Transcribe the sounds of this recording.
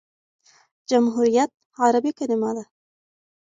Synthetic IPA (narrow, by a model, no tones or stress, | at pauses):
d͡ʒamɦuɾijat̪̚ | aɾabikanimad̪a